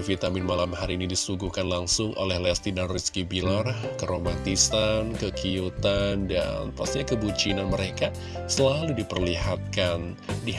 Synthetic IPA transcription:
fit̪amɪnmalamhaɾiinidisuɡuhkanlaŋsʊŋʔo̰lɛhlɛst̪idanriskibilarkəɾomat̪isankəkiut̪anda̰npast̪iɲakəbut͡ʃinanməɾeka | səlaludipərlihat̪̚kan | di

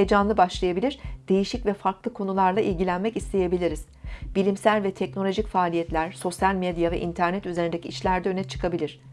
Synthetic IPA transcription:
ed͡ʒanlˠɯbaʃlˠajabilʲiɾd̪̥e̞jiʃicvɛfaɾklˠɯkʰo̞nulˠaɾlˠaʔilʲɟilʲænmɛcist̪ʰe̞jebilʲiɾiz̥bilʲimsælʲvɛt̪ʰɛc̚no̞lʲo̞ʒicfaːlʲijɛt̪lʲæɾ̥so̞sjalʲmɛd̪javɛ̰ʔint̪ʰæɾnɛt̪yze̞ɾind̪ecʰiːʃlʲæɾd̪ɛø̞nɛt͡ʃʰɯ̥kʰabilʲiɾ̥

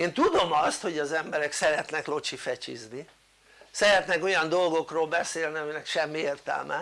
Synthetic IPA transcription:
eːnt̪ud̪o̞mɒst̪ho̞ɟɒzɛmbɛɾɛksɛɾɛt̪nɛklo̞t͡ʃifɛt͡ʃḭzni | sɛɾɛt̪nɛko̞jɒnd̪o̞lɡo̞kroːlbɛseːlniɒminɛkʃɛmːieːrt̪ɛ̰lmʔɛ̰

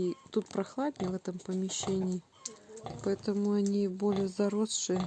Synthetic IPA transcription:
it̪ut̪pɾɐxlˠad̪ʲnʲɪvɛt̪əmpəmʲɪɕːenʲɪː | pɐɛt̪əmʊɐnʲibo̞lʲɪjəzɐɾosʂɨjə

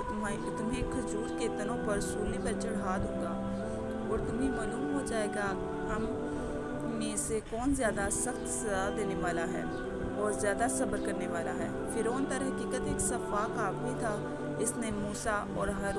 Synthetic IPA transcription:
t̪ʊ | t̪ʊmẽkʰɐzuːɾket̪ɐnõpəɾsuːlːepɐɾt͡ʃɐɽaːd̪õːŋ̆ɡaː | ɔːɾt̪ʊmɦẽmaːluːmɦod͡ʒaːeːɡa | ɦɐm | mẽsekɔːnzjaːd̪asəxt̪sɐzaːd̪eːneʋaːlaɦɛ̰ː | ɔːɾzjaːd̪asɐbəɾkəɾneʋaːlaɦɛː | fʰɪɾoːnt̪əɾɦɐkiːkət̪eːksɐfaːkaːbbʱit̪ʰa | ɪsnemuːsaʔɔːɾɦɐɾ

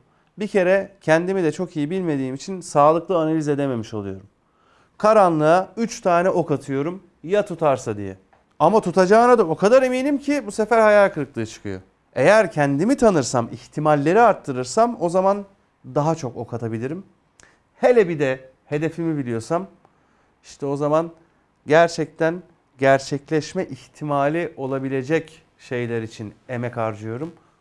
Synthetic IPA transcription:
bicʰe̞ɾɛcʰɛnd̪imid̪ɛt͡ʃʰo̞kijibilʲme̞d̪iːmit͡ʃʰinsaːlˠɯklˠɯanalʲize̞d̪eme̞miʃo̞lˠujo̞ɾum | kʰaɾanlˠɯayt͡ʃt̪ʰaːnɛʔo̞kat̪ʰɯjo̞ɾum | jat̪ʰut̪ʰaɾsad̪ḭjɛ̰ | amat̪ʰut̪ʰad͡ʒaːɯnad̪ao̞kʰad̪aɾe̞miːnʲimcʰibusefæɾhajalʲkʰɯɾɯklˠɯːt͡ʃʰɯ̥kʰɯ̰jo̞̰ | e̞jæɾcʰɛnd̪imit̪ʰanɯɾsa̰mḭçt̪ʰimalʲːe̞ɾiaɾt̪ʰːɯɾɯɾsamo̞zaman | d̪aɦat͡ʃʰo̞ko̞̰kʰat̪ʰabilʲiɾim | he̞lʲɛbid̪ɛ | he̞d̪e̞fimibilʲijo̞sam | iʃt̪ʰɛo̞zaman | ɟæɾt͡ʃʰɛc̚t̪ʰæn | ɟæɾt͡ʃʰɛclʲɛʃmɛʔiçt̪ʰimaːlʲiʔo̞lˠabilʲe̞d͡ʒɛc | ʃe̞jlʲæɾit͡ʃʰine̞mɛkaɾd͡ʒɯjo̞ɾum

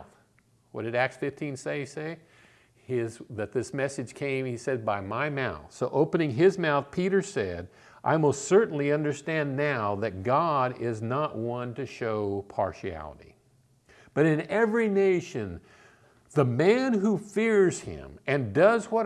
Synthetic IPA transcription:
θ | wʌd̥ɨɾæk̚sfɪftʰĩnseɪseɪ | ɪzðɨt̪̚ðɪsmɛsɨd̥ʒ̥kʰẽɪ̃misɛd̚baɪmaɪmaʊθsoʊʔoʊpɨnɪ̃ŋɪzmaʊθpʰiɾə˞sɛɾ | ʔa̰ɪmolˠstsɜ˞ʔn̩liʌ̃ndə˞stæ̃nːaʊðɨt̚ɡ̥ɑɾɪznəʔwʌ̃ntɨʃoʊpʰɑ̰ɹʃiæ̰lˠə̰ɾḭ | b̥ʌɾɨ̃nɛvɹineɪʃɨ̃n | ðəmæ̃nɦufɪɹz̥ɪ̰̃mɨ̃ndʌzwʌɾ

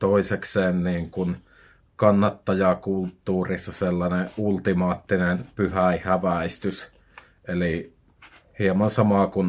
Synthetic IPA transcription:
t̪oˑisekseːnniːŋkun | kɑnːɑt̪ːɑjɑkult̪ːuːrisːɑselːɑneʔʔult̪imɑːt̪ːinenpyhæˑihæʋæˑist̪ys | eli | hiemɑnsɑmɑkun

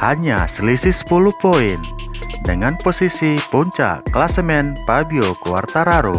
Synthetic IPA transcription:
haɲa̰səlisisə̥puluhpoɪn | dəŋanposisipuɲt͡ʃa̰ʔklasəmɛnpabiokuwa̰rt̪aɾaɾo̰

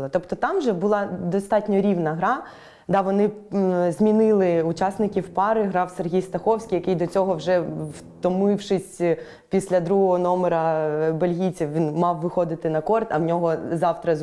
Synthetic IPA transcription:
lˠɐt̪ɔpt̪ɔt̪ɑmʒɛbʊlˠɑd̪ɔst̪ɑtʲnʲɔɾʲiwnɐɦɾɑ | d̪ɑʋɔnɪzmʲinɪlˠɪʊt͡ʃɑsnɪkʲiwpɑɾɪɦɾɑwserɦʲijst̪ɐxɔwsʲkʲijɐkɪjd̪ɔt͡sʲɔɦɔwʒɛw | t̪ɔmɪwʃɪsʲ | pʲisʲlʲɐd̪ɾuɦɔɦɔnɔmeɾɐbɐlʲɦʲit͡sʲiwʲinmɑwʋɪxɔd̪ɪt̪ɪnɐkɔrt̪ɐwnʲɔɦɔzɑwt̪ɾɐ

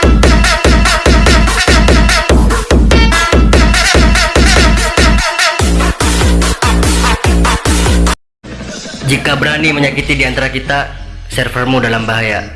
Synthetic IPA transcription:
d͡ʒikabəɾaniməɲakit̪idiant̪aɾakit̪a | sɛrfərmudalambaɦaja̰

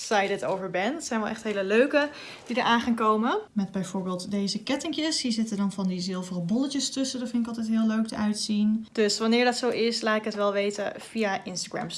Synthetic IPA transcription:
sajdətowvəɹbɛntsɛjnʋɛlˠʔɛχtɦejləløɥkə | d̥idəɹʔaːnχaːŋkowməmɛdbɛjvʊːɹbeːlˠtdejzəkɛtɪŋkjəsizɪtədɑnvɑndizɪlˠvərəbɔləcəstɵsədɑtfɪntɪkɑlˠtɛjtɦɪːløɥk̚dəʔœɥtsind̥ɵsʋɑnɪːɹdɑtsowɪslaːtɪkətʋɛlˠʋejtə̰v̥ijaʔɪnstaɡɹɛ̰m

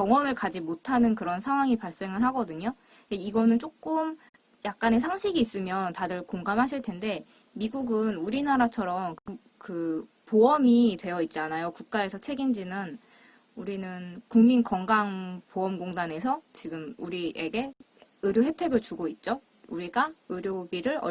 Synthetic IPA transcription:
kjʌŋwʌnɯɭkad͡ʑimotʰanɯnkɯɾʌnsʰaŋɦwaŋipaɭs͈e̞ŋɯɭɦaɡʌdɯɲo | eiɡʌnɯnt͡ɕ͈ok͈ɯm | jak̚k͈ane̞sʰaŋɕʰiɡiːs͈ɯmjʌntadɯɭkoŋɡamɦaɕ̬ʰiɭtʰe̞nde̞ | miɡuɡɯnuɾinaɾat͡ɕʰʌɾʌmk | kɯ | poʌmitwe̞jʌit̚t͡ɕ͈anajokuk̚k͈ae̞sʰʌt͡ɕʰe̞ɡind͡ʑinɯn | uɾinɯnkuŋminkʌŋɡaŋpoʌmɡoŋdane̞sʰʌt͡ɕiɡɯmuɾieɡe̞ | ɯɾjoɦe̞tʰwe̞ɡɯɭt͡ɕuɡoit̚t͡ɕ͈o | uɾiɡaɯɾjobiɾɯɭʌ

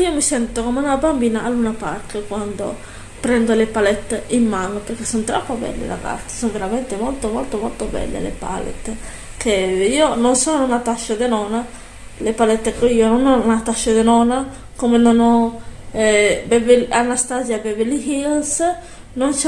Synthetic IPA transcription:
iomisɛnt̪okomeunabambinaːlunapaɾt̪ekwand̪o̰ | pɾɛnd̪olepalɛt̪ːeimːanopeɾkesont̪ɾa̰pːobɛ̰lːḛla̰ɡa̰t̪ːi̥sonveɾament̪emolt̪omɔlt̪omɔlt̪obɛ̰lːḛlḛpa̰lḛt̪ː | keiononsonounat̪aʃːad̪enɔna | lepalɛt̪ːekoiononɔnat̪aʃːad̪enɔna | komenonɔ | ɛbɛvelanast̪azjabɛvelihils | nons

